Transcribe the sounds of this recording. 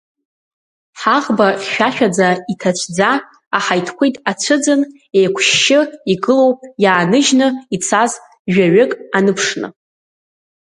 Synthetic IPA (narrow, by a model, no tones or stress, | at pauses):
ħaʁbaχʲᶣaʃᶣad͡zaitʰat͡ʃʷʰʼd͡zaː | ħajtʰkʷʰejtʼat͡ʃʷʰɨd͡zɨn | ejkʷʰʃːɪiɡɨlo̞wpʼjaːnɨʒnɨit͡sʰaz | ʒᶣaɥɪkʼanɨpʰʂnɨ̰